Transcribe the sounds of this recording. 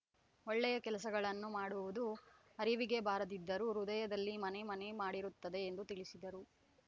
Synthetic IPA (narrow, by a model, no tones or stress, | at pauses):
oɭːɛjɐkɛlɐsɐɡɐɭɐnːumaːɽuʋud̪u | ɐɾiʋiɡe̞baːɾɐd̪id̪ːɐɾuɾud̪ɐjɐd̪ɐlːimɐne̞mɐnemaːɽiɾut̪ːɐd̪e̞ːnd̪ut̪iɭisid̪ɐɾu